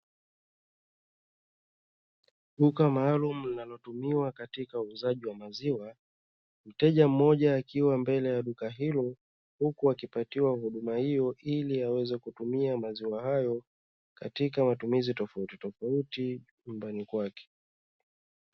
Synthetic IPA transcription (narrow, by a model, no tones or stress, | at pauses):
ɗukamaːlumulinalɔtumiwakatikauːzaʄiwamaziwa | m̩tɛʄam̩mɔʄaːkiwambɛlɛjaɗukaɦilɔ | hukuakipatiwahuɗumahijɔʔiliawɛzɛkutumiamaziwahajɔ | katikamatumizitɔfautitɔfauti | ɲumbanikwakɛ̥